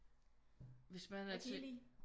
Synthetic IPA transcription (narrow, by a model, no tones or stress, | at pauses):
ʋe̝smænæt͡sʰeli